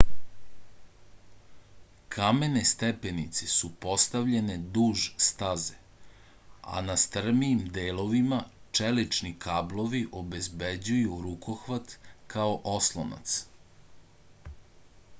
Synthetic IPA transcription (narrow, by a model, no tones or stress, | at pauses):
kʰame̞nest̪epenit̪sesupo̞st̪aʋʎe̞ned̪uːʒst̪aze | a̰nast̪r̩miːmd̪eːloʋimat͡ʃelit͡ʃnikaːblˠo̞ʋiʔobe̞zbed͡ʑujuɾukʰoxʋat̪kʰaoʔo̞slˠo̰na̰t̪s